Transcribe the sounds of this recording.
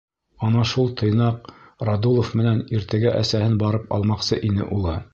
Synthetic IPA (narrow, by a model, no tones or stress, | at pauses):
ɑnɑʃulˠt̪ʰɤ̆jnɑqrad̪ulˠofmɘ̆næniɾt̪æɡæʔæ̰sæhɘnbɑɾɤpɑ̰lˠmɑqsɤʔinɘ̰ʔulˠɤ